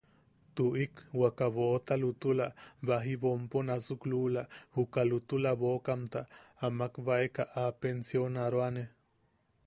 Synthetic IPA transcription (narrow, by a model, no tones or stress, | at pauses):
t̪uʔikwakaβot̪alut̪ulaβaɦiβomponasuklulahukalut̪ulaβokamt̪aːmakβaekaʔapensjonaɾoane